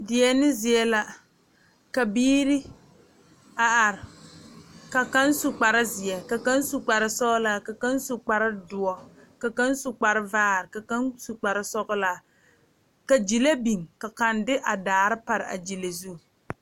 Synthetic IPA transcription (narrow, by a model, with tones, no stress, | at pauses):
dɪ˨ɛ˦nɪ˦zɪ˨ɛ˦la˦ | ka˨biː˦ɾɪ˦ | a˨ʔa˨ɾɪ˨ | ka˨ka˦nsʊ˨k͡pa˨ɾɪ˦zɪ˨ɛ˨ka˨ka˦n˦sʊ˨k͡pa˨ɾɪ˦sɔ˦ɣʊ˦la˦ka˨ka˦nsʊ˨k͡pa˨ɾɪ˦dʊ˨ɔ˨ka˨ka˦nsʊ˨k͡pa˨ɾɪ˦vaː˦˨ɾɪ˨ka˨ka˦nsu˨k͡pa˨ɾɪ˦sɔ˦ɡʊ˦la˨˦ | ka˨d͡ʒi˨la˦bi˨ŋka˨ka˨ndɪ˦ʔa˨daː˨ɾɪ˦pa˨ɾɪ˨ʔa̰˨d͡ʒi˨la˨zu˦˨